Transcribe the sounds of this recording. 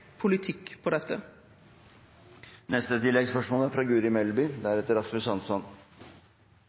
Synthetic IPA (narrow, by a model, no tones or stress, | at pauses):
pʰʊlɪt̪ʰɪkːpʰɔd̪ɛt̪ːə | nɛst̪ət̪ʰɪlːɛɡspœʂmoːləæɾfɾɑːɡʉːɾɪmɛlbʏd̪æɾɛt̪əɾɑslʉsɑnsɔn